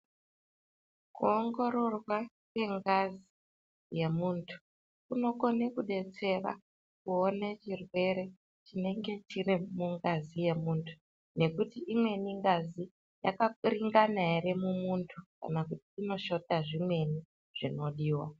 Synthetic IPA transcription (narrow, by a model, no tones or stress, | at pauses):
kuoŋɡo̞ɾo̞rwa | kwe̞ŋɡazi | je̞muːntʰu̥ | kuno̞ko̞nekuɗe̞t͡se̞ra̰ | kuonet͡ʃirwe̞ɾe̞ | t͡ʃine̞ŋɡe̞t͡ʃirimuŋɡazije̞muːntʰu̥ | ne̞kutiʔimwe̞niŋɡazi | ja̰kariŋɡanaeɾe̞mumuntʰuka̰nakutiːno̞ʃo̞taʐimwe̞ni | ʐ̥ino̞ɗiːwa̰